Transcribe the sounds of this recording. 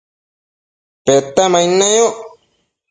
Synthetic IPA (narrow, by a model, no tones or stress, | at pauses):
pet̪amajnajo